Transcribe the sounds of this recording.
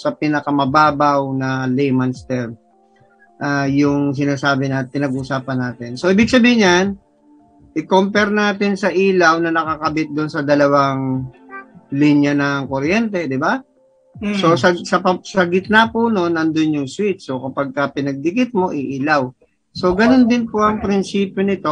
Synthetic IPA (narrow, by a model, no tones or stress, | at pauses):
sɐpinɐkɐmɐbaːbɐwnɐlɛjmanst̪ɛɾ | ʔaːjʊŋs̬ɪnaːsaːbɪnɐpɪnɐɡʊsaːpɐnːaːt̪ɪnso̞ʔiːbɪɡ̚sɐbiːhɪɲːan | ʔɪkompɛɾnaːt̪ɪnsɐʔiːlɐwnɐnɐkɐkɐbɪt̪̚d̪ʊnsɐd̪ɐlɐwaŋ | linjɐnɐŋko̞ɾjɛnt̪ɛd̪ɪba | so̞sɐsɐpɐsɐɡɪt̪̚napʊno̞nʔɐnd̪onjʊŋswit͡ʃ̪so̞kɐpɐɡ̚kɐpɪnɐɡ̚d̪ɪkɪt̪̚mo̞ʔɪʔiːlɐw | so̞ɡɐno̞nd̪ɪnpʊʔɐŋpɾɪnsiːpjonɪt̪o̞